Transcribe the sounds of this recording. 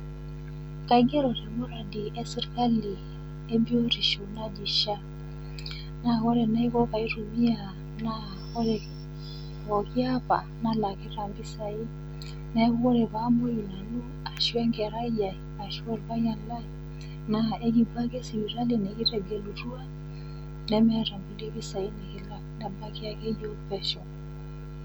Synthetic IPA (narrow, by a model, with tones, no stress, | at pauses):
ka˨i˦ɡɛ˦ɾɔ˨ɾɛ˨mɔ˦ɾa˨di˨ʔɛ˦sɛ˦ɾka˦li˨ | e˦bi˦o˦ɾi˨ʃu˨na˦d͡ʒi˨ʃa˦ | na˨ɣɔ˦ɾɛ˨na˦i˦ɣɔ˦ka˨i˦ɾu˨mi˦a˨ | na˦ | ɔ˦ɾɛ˨ | ɔ˨ki˦a˦pa̰˨na˦la˨kɛ˦ɾa˨mbi˦sa˨i˦ | na˦ɣu˦ɔ˦ɾɛ˨βa˦mɔ˦i˨na˨nu˦ | a˨ʃu˦ɛ˦ŋɡɛ˨ɾa˦i˦ja˨a˨ʃu˦ɛ˦lβa˦ja˨la˦ | na˨ʔɛ˦ki˨ba˦kɛ˦si˨wi˨ɾa˦li˦nɛ˨ɣi˦ɾɛ˨ɡɛ˨lu˨ɾu˦a˦ | nɛ˦mɛ˦ɾa˨mbu˦li˦βi˦sa˨i˦nɛ˨ki˨la˦nɛ˨ba˦ki˦a˨kɛ˦jɔ˦pɛ˦ʃɔ˨